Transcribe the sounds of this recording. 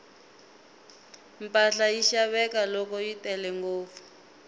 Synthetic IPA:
mpʼaɬajiʃaβɛkalɔkɔjitɛlɛŋɡoːfu̥

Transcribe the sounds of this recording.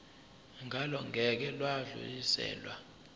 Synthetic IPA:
ŋʱalɔŋʱɛk̬ɛlwaɮṵjisɛ̰ːlwa̰

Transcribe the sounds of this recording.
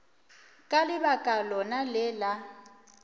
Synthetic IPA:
kʼalɪbakʼalɔnalɪla

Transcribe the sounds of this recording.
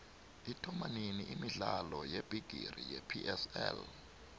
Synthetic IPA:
itʰɔmaniniʔimiɮalɔjeb̥ʱiɡ̥ʱḭrijepʰiʔɛsɛ̰l

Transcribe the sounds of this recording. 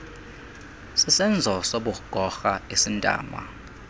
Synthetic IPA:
sisɛnd͡zʱɔsoɓuɡ̥ʱɔxaesintʼa̰ːma̰

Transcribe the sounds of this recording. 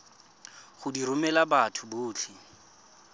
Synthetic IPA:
χʊdiɾʊmɛlabatʰʊbʊːt͡ɬʰɪ

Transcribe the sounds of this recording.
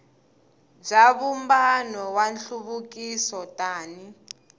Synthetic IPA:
b͡ʐaβumbanɔwanɬuβukisɔtʼaːni

